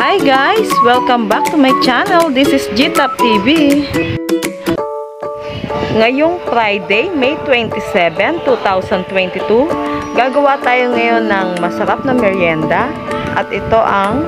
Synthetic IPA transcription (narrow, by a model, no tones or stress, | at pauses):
ʔajɡajswɛlkɐmbak̚t̪umajt͡ʃanɛld̪isɪsd͡ʒit̪ap̚t̪ivi | ŋɐjʊŋfɾajd̪ejmɛjt̪wɛnt̪isɛvɛnt̪ut̪awsɐnt̪wɛnt̪it̪uɡaːɡɐwat̪aːjoŋɐjonːɐŋmɐsɐɾap̚nɐŋmɛɾiɛnd̪a | ʔɐ̰t̪ɪt̪oʔɐŋ